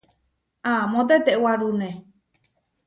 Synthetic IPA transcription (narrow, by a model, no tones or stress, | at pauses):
amõt̪et̪ewaɾunẽ